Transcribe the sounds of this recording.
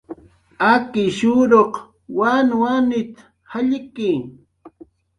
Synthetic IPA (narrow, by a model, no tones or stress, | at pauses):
akɪʃʊɾoq | wanwanɪt̪ | haʎɪkɪ